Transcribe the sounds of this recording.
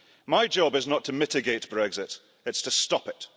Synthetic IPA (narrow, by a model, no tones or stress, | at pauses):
maɪd͡ʒɒbɨznətʰəmɪtɪɡeɪʔ̚b̥ɹɛɡzɪt | ɪtstʰəstɒpɪt